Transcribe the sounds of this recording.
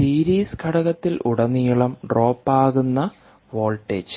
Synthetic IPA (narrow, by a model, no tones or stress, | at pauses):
siːɾiːskʰɐɽɐɣɐt̪ːilʔṵɽɐnːijuɭɐmɖro̞ːpːaːɣunːɐ | ʋo̞ːlʈːet͡ɕː